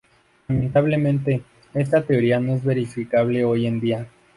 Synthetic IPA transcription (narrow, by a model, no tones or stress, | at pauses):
lament̪aβle̞mẽ̞nt̪̬e̞ | e̞s̬t̪at̪e̞o̞ɾiano̞e̞zβe̞ɾifikaβleo̞je̞nd̪ia